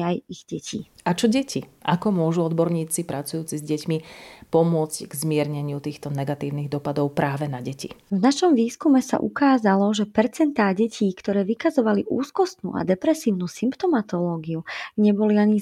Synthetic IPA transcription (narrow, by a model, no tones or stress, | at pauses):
ajiɣɟɛcʰiː | at͡ʃɔɟɛciʔakɔmʊɔʒuɔd̪bɔɾɲiːt͡sipɾat͡sujuːt͡sizɟɛcmipɔmʊɔd͡zcɡzmɪɛɾɲɛɲɪut̪iːxt̪ɔnɛɡat̪iːʊniɣd̪ɔpad̪ɔʊpɾaːʋɛnaɟɛcḭvnaʃɔmʋiːskumɛsa̰ʔṵkaːzalɔʒɛpɛɾt͡sɛnt̪aːɟɛcʰiːkt̪ɔɾɛːʋikazɔʋaliʔuːskɔst̪nṵːʔa̰d̪ɛpɾɛsiːʊnuːsimpt̪ɔmat̪ɔlɔːɡiuɲɛbɔliaɲi